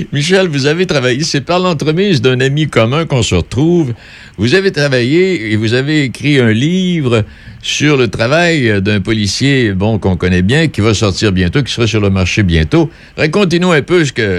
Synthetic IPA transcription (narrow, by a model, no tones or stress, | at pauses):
miʃɛlvuzavet̪χʁavajesɛpaʁlɑ̃t̪ʁəmizd̪ɛ̃namikɔmɛ̃kɔ̃səʁət̪χuv | vuzavet̪ʁavajeːvuzaveːkʁiɛ̃livʁə | syʁlət̪ʁavajd̪ɛ̃pɔlisjebɔ̃kɔ̃kɔnɛbjɛ̃kʲivasɔʁt̪iːʁbjɛ̃t̪ok̬ʲi̥səʁasyʁləmaʁʃebjɛ̰̃t̪o | ʁakɔ̃t̪̬enuɛ̃pøs̬ə̥kə